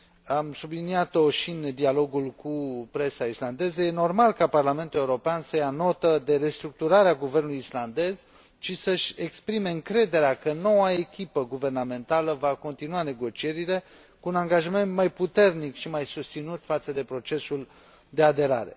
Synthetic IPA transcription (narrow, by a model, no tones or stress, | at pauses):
amsubliniat̪o̞ʃind̪ialo̞ɡulkupɾe̞saisland̪e̞zəje̞no̞rmalkaparlame̞nt̪ule̞uɾo̞peansəjano̞t̪əd̪e̞ɾe̞st̪ɾuk̚t̪uɾaɾeaɡuvernuluisland̪e̞z | ʃisəʃʲe̞kspɾime̞ɨŋkɾe̞d̪e̞ɾeakəno̞wae̞kʲipəɡuve̞rname̞nt̪aləvako̞nt̪inuane̞ɡo̞t͡ʃie̞ɾile̞ | kuːnaŋɡaʒame̞nt̪majput̪e̞rnikʃimajsust̪sinut̪fat̪səd̪e̞pɾo̞t͡ʃe̞sul | d̪e̞ad̪e̞ɾa̰ɾe̞̰